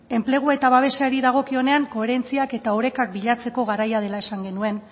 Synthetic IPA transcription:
e̞mple̞ɣ̞ue̞t̪aβ̞aβ̞e̞seaɾiðaɣ̞o̞kio̞ne̞aŋko̞eɾe̞nt͡siake̞t̪aoɾe̞kak̚biʎat͡se̞ko̞ɣaɾajað̞e̞lae̞saŋɡe̞nue̞n

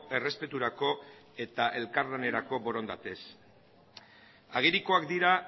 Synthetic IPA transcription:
e̞re̞spe̞t̪uɾako̞e̞t̪aʔe̞lkaɾlane̞ɾako̞bo̞ɾo̞nd̪at̪e̞s | aɣ̞iɾiko̞akd̪iɾa

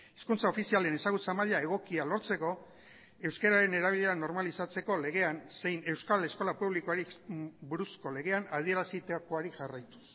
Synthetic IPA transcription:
eskunt͡sao̞fisiale̞ne̞saɣ̞ut͡samaʎae̞ɣ̞o̞kialo̞ɾt͡se̞ko̞ | e̞wskeɾaɾe̞ne̞ɾaβ̞iʎe̞ɾano̞ɾmalisat͡se̞ko̞le̞ɣ̞e̞anse̞jne̞wskale̞sko̞lapuβ̞likoaɾibuɾusko̞le̞ɣ̞e̞anað̞ie̞ɾasit̪ako̞aɾiʝarajt̪u̥s

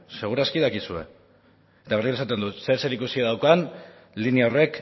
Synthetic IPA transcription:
se̞ɣ̞uɾaskiðakisue̞̰ | et̪aβeriesat̪e̞nd̪use̞ɾse̞ɾikusiaðawkan | liniaore̞k

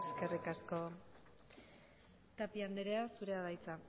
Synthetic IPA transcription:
eske̞rikasko̞ | t̪apiand̪eɾe̞asuɾe̞aðajt͡sa

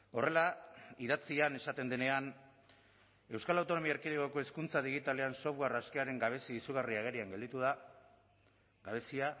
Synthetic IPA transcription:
o̞re̞laiðat͡siane̞sat̪e̞nd̪e̞ne̞an | e̞wskalawt̪o̞no̞miaeɾkiðekoko̞eskunt͡saðiɣ̞it̪ale̞anso̞βɣaraske̞aɾe̞ŋɡaβesiisuɣ̞ariaɣ̞e̞ɾiaŋɡe̞ld̪it̪uða | ɡaβ̞e̞sia

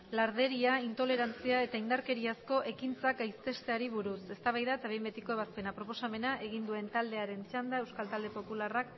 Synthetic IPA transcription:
laɾðe̞ɾiaint̪o̞le̞ɾant͡siae̞t̪aind̪aɾke̞ɾiasko̞ʔe̞kint͡sakajst̪e̞st̪e̞aɾiβ̞uɾuse̞st̪aβajðat̪aβembe̞t̪iko̞eβaspe̞napɾo̞po̞same̞naʔe̞ɣind̪ue̞nt̪ald̪e̞aɾe̞nt͡ʃand̪ae̞wskalt̪ald̪e̞po̞pularak

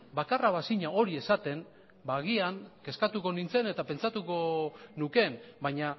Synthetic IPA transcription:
bakaraβasiɲao̞ɾie̞sat̪e̞n | baɣiaŋke̞skat̪uko̞nint͡se̞ne̞t̪ape̞nt͡sat̪uko̞nuke̞nbaɲa

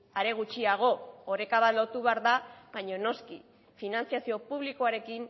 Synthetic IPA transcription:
aɾe̞ɣ̞ut͡ʃiaɣ̞o̞oɾe̞kaβ̞at̪lo̞t̪uβeaɾðaβaɲo̞no̞ski | finant͡siasio̞puβ̞liko̞aɾe̞kin

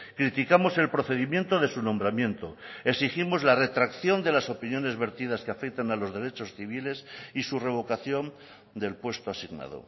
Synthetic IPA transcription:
kɾit̪ikamo̞se̞lpɾoθe̞ðimje̞nt̪oðe̞sunõ̞mbɾamjẽ̞nt̪oeksiximo̞zlare̞t̪ɾakθjo̞nd̪e̞laso̞pinjo̞ne̞zβe̞ɾt̪iðaskeafek̚t̪analo̞zðeɾet͡ʃo̞sθiβ̞ile̞sisure̞β̞o̞kaθjo̞n | d̪e̞lpwe̞st̪oasiɣna̰ð̞o̰

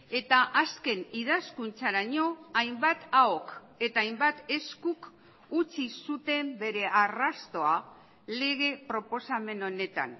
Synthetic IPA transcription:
e̞t̪aʔaske̞niðaskunt͡saɾaɲo̞ajmbat̪aok | e̞t̪aːjmbat̪e̞skuk | ut͡sisut̪e̞mbe̞ɾe̞ʔarast̪o̞a | le̞ɣ̞e̞pɾo̞po̞same̞no̞ne̞t̪a̰n

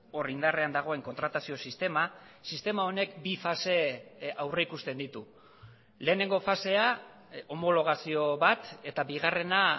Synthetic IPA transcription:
orind̪are̞and̪aɣ̞o̞e̞ŋko̞nt̪ɾat̪asio̞sist̪e̞masist̪e̞mao̞ne̞kbifase̞awre̞ikust̪e̞nd̪it̪u | le̞ːne̞ŋɡo̞fase̞a | o̞mo̞lo̞ɣ̞asio̞βat̪e̞t̪abiɣare̞na

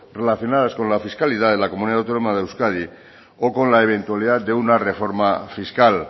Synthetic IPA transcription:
re̞laθjo̞naðasko̞nlafiskalið̞aðe̞lakomuniðatawt̪o̞nomaðeewskað̞i | oko̞nlaeβ̞e̞nt̪ualiðat̪̚d̪e̞unare̞fo̞ɾmafiskal

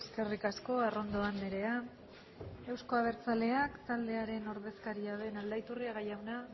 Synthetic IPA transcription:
eske̞rikasko̞aro̞nd̪o̞anleɾe̞a | e̞wsko̞aβ̞e̞ɾt͡sale̞akt̪ald̪e̞aɾe̞no̞ɾðe̞skaɾiaðe̞nald̪ajt̪uriaɣajawna

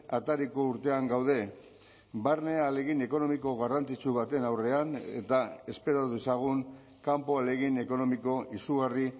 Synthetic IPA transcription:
at̪aɾiko̞uɾt̪e̞aŋɡawðe̞ | barne̞aːle̞ɣine̞ko̞no̞miko̞ɣarant͡sit͡suβ̞at̪e̞nawre̞ane̞̰t̪ae̞spe̞ɾoðesaɣ̞uŋ | kampo̞ale̞ɣine̞ko̞no̞miko̞ʔisuɣari

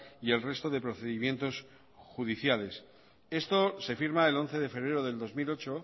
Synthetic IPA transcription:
ie̞lre̞st̪o̞ðe̞pɾo̞θe̞ðimje̞nt̪o̞s | xuðiθjale̞s | e̞st̪o̞se̞fiɾmae̞lo̞nθe̞ð̞e̞fe̞βɾe̞ɾo̞ðe̞ld̪o̞zmilo̞t͡ʃo̞

